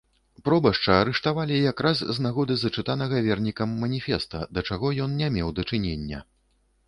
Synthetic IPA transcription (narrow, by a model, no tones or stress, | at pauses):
pɾɔbɐʂt͡ʂɐːɾɛʂt̪avalʲijakɾazːnaɣɔd̪ɨzɐt͡ʂɨt̪anɐɣɐvʲɛrnʲikɐmːɐnʲifʲɛst̪ɐ̰d̪ɐt͡ʂaɣɔjɔnnʲamʲɛwd̪ɐt͡ʂɨnʲenʲːɐ̰